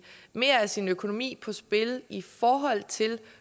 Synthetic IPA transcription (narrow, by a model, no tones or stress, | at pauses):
me̝ɐæsinøkʰo̝no̝mḭːpʰɒ̽sb̥e̝lifɒːɦɒ̽l̰t͡sʰe̝l